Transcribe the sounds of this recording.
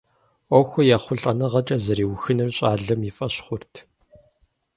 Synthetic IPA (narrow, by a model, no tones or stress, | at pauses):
ɔxʷɔjaχʷʊɬʼɐnɐʁɐt͡ʃʼɐzɐɾiːwxɨnɨrɕʼaːɮɐmifʼɐɕχʷʊrtʰ